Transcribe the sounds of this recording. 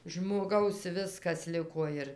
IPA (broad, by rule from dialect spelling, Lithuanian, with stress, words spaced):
ʒmoːˈɡɐʊs ˈʋʲɪskɐs ˈlʲɪkoː ɪr